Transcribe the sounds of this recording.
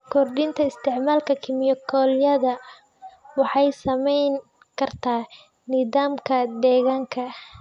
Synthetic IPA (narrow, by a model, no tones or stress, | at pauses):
kʰɔrɖɪnt̪ʰɐɪst̪ʰɛʕmaːlkʰɐkʰɪmɪjɔkʰɔːljɐðɐ | wɑħɑjsɐmɛjn | kʰɐrt̪ʰaː | nɪðaːmkʰɐd̪ɛːɣaːŋkʰɐ